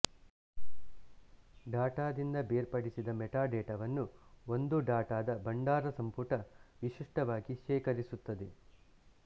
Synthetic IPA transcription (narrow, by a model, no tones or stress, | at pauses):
ɖaːʈaːd̪ind̪ɐbeːɾpɐɽisid̪ɐmɛʈaːɖɛːʈɐʋɐnːuo̞nd̪uɖaːʈaːd̪ɐbɐɳɖaːɾɐsɐmpuʈɐʋiʃiʂʈɐʋaːɡiʃɛːkɐɾisut̪ːɐd̪e